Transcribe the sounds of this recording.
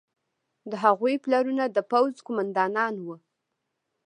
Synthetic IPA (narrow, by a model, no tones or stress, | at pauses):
d̪əɦaɣujplaɾunad̪əpawzkumand̪ɑnɑnwə